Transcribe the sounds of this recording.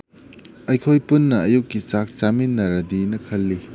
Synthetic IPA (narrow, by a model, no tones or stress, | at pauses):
ɐjkʰojpunːɐɐjukːit͡ʃak̚t͡ʃaminːɐɾɐdinɐkʰɐlːi